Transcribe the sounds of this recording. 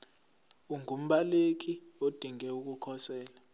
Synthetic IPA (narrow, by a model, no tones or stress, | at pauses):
uŋʱum̩ɓalek̬ʰʼiod̥ʱiŋɛuk̬ukʰɔsɛːla